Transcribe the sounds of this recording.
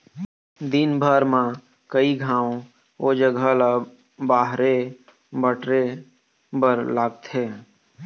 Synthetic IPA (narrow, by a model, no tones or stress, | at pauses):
d̪inbʱəɾmã | kəiɡʱãːw | od͡ʒəɡʱəla | baːɦɾe | bəʈɾe | bəɾlaːɡ̚t̪ʰeː